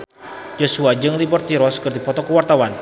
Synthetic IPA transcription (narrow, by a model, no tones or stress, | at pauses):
d͡ʒosuad͡ʒɨŋlibɔrt̪iɾɔskərt̪ipɔt̪ɔkəwart̪awan